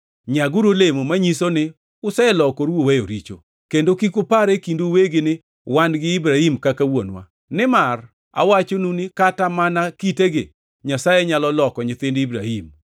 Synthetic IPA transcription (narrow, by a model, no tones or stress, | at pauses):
ɲaɡuɾolemomaɲisonɪ | ʊsɛɛlɔkoɾwowejo̰ɾit͡ʃo̰ | kendokikʊpaɾekinduweɡɪnɪ | wanɡɪːbɾahimkakawo̰nwa̰ | nɪmar | a̰wat͡ʃonunɪkatamanakiteɡɪ | ɲasajeɲalɔlɔkɔɲɪt̪ɪndibɾahim